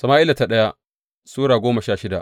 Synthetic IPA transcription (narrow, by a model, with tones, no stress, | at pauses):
sɐ˨maː˦ʔɪ˦la˨ta˨ɗɐ˦ja˦ʔ | suː˦ɽaː˨ɡʷoː˦mɐ˨ʃaː˦˨ʃɪ˦da˨ʔ